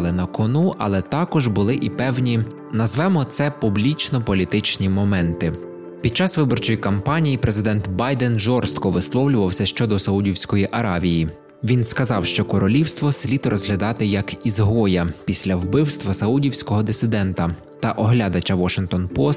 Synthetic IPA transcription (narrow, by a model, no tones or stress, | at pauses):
lˠɪnɐkɔnuʔɐ̰lˠɛt̪ɑkɔʒbʊlˠɪʔipɛwnʲi | nɐzʋɛmɔt̪sɛpublʲit͡ʃnɔpɔlʲit̪ɪt͡ʃnʲimɔmɛnt̪ɪ | pʲid̪̚t͡ʃɑsʋɪbɔrt͡ʃɔjikɐmpɑnʲijipɾʔe̞zɪd̪ɛnt̪bɑjd̪ɛnʒɔrst̪kɔʋɪslˠɔwlʲʊʋɐwsʲɐʃt͡ʃɔd̪ɔsɐudʲiwsʲkɔjiʔɐɾɑʋʲiji | ʋʲinskɐzɑwʃt͡ʃɔkɔɾɔlʲiwst̪ʋɔsʲlʲit̪rɔzɦlʲɐd̪ɑt̪ɪjɐkizɦɔjɐpʲisʲlʲɐwbɪwst̪ʋɐsɐudʲiwsʲkɔɦɔd̪ɪsɪd̪ɛnt̪ɐ | t̪ɐʔɔɦlʲɑd̪ɐt͡ʃɐʋɔʃɪŋkt̪ɔnpɔs